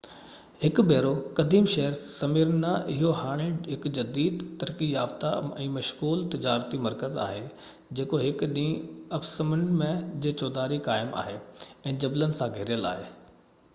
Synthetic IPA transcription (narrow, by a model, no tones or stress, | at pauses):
hɪkbeːɾokɐd̪ʱiːmʃɐɦəɾsɐmiɾnaʔɪɦohaːɽ̃ɪ̃ɖɦɪkd͡ʑɐd̪iːd̪t̪ːɐɾkijaːft̪aɛ̃ːmɐʃɣuːlt̪ɪd͡ʑaːɾt̪imɐɾkəza̰ːɦe | d͡ʑeːkoɦɪkɗĩːɐbsəməɳɖmẽd͡ʑeːt͡ɕɔːd̪aːɾikaːɪmʔa̰ːɦeːɛ̃ːd͡ʑɐblənɪ̆sãɡʱeɾijəla̰ːɦeː